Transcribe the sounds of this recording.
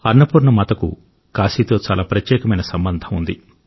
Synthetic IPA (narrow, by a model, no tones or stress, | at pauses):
ɐɾnɐpuːɾɳɐmɐt̪ɐkṵ | kaːsiːt̪o̞ːt͡ʃaːlaːpɾɐtjɛːkɐmɐjnɐsɐmbɐnd̪ʱɐmund̪ḭ